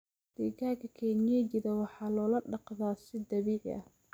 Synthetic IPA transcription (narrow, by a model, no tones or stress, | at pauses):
d̪̥ɛːkaːŋkʰɐkʰɛnjɛd͡ʒɪðɐwɑħɑːlɔːlɐɖɑqðaːsɪd̪ɐβiːʕɪ̰ʔɐ̰h